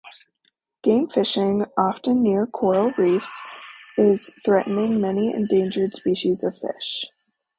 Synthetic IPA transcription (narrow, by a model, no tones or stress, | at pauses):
ɡ̥ẽɪ̃ɱfɪʃɪ̃ŋɑftɨ̃nːɪɹkʰɔɹl̩ˠɹifsɪz̥θɹɛʔn̩ɪ̃ŋmɛniɨ̰̃ndẽɪ̃nd͡ʒə˞d̥spiʃizʌv̥fɪ̰ʃ